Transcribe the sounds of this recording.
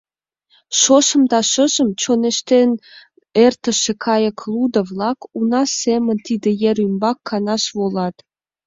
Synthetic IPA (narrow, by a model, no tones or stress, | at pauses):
ʃoʃə̆md̪ɑʃəʒə̆mt͡ɕoneʃt̪en | ert̪ə̆ʃĕkʰɑjəklˠud̪ə̆vlɑkunɑsemə̆nt̪id̪ĕjeɾymbɑkʰːɑnɑʃβolɑt̪